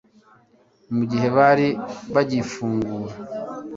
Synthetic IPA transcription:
muɟiɦe̞βaɾiβaɟifuːŋɡuːɾa

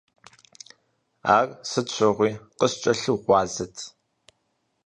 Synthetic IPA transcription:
aːrsɨt͡ɕʷʰɐʁʷiːqəst͡ʃʼɐɬɨʁʷɑːzɐtʰ

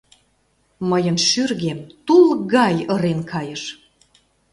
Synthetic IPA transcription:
məjə̆nʃyrɣemt̪ulˠɣɑjɤɾenkʰɑjə̆ʃ

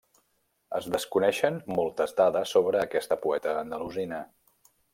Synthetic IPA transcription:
əzðəskunɛʃənmɔlˠt̪əzd̪aðəsːoβɾəːkɛst̪əpuɛt̪əːnd̪əluzinə

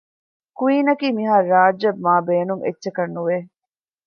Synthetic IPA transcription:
kuiːnɐkiːmiɦaːɾaːd͡ʒɐb̚maːbeːnuŋʔḛtːʃekɐnːuʋe

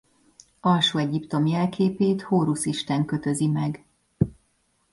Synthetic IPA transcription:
ɒlʃuːɛɟipt̪o̞mjɛlkeːpeːt̪hoːɾusiʃt̪ɛŋkøt̪ø̞zimɛɡ

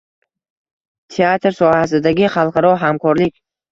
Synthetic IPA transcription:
t̪ʰeat̪ɾsɒhasɪd̪aɡʲɪχɑlˠqʰɑɾɒɦamkʰɒɾlɪkʲ

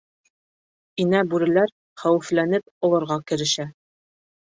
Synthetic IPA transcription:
inæbʉɾɘ̆læɾ | χæwɘ̆flænɘp̚ŏlˠɤ̆ɾʁɑkɘ̆ɾɘ̆ʃæ

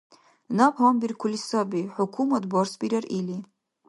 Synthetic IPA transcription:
napʰhambirkʰʊlisabiħʊkʰumatbɔrsbiɾarʔili

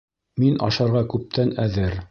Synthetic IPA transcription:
minʔɑ̰ʃɑɾʁɑkʉp̚t̪ʰænæðɘɾ

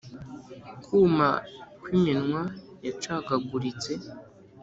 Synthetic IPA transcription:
kʰuːma̰kwiminŋwajat͡ʃaɡaɡuɾit͡se

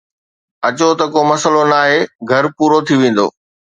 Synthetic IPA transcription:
ɐt͡ɕot̪ɐkoːmɐsəlonaːɦeɡʱɐɾpuːɾot̪ʰiʋẽːn̆d̪o̰ː

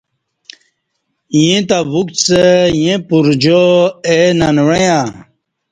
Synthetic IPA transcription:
jĩt̪abuk̪sejẽpuɾd͡ʑoenanwejã

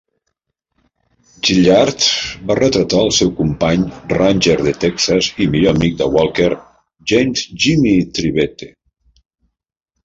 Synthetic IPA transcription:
ʒiʎaɾt̪barət̪ɾət̪aəlˠsɛwkumpaɲranʲʒeɾðət̪ɛksəzimiʎomik̚d̪əwalˠkeɾ | ʒejmzʒimit̪ɾiβɛt̪e

